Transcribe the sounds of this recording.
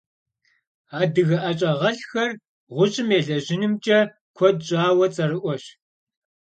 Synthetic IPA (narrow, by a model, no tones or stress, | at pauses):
aːdɨɣɐʔɐt͡ʃʼɐʁɐɬxɐr | ʁʷʊɕʼɪmeːɮɐʑɪnɨmt͡ʃʼɐ | kʷʰɔdɕʼaːwɐt͡sʼɐɾɨʔʷɔɕ